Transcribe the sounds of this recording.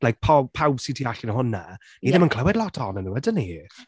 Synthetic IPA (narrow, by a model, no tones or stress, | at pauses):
lajk̚pʰɔpʰawsitʰiaɬɪnəhʊna̰ | iðɪmənkʰləwɛdlˠɔtʰɔnənuwədəni